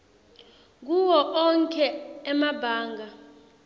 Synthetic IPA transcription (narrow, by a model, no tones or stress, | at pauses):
k̬uwɔʔɔŋkʰʼɛːmabʱaːŋɡʱa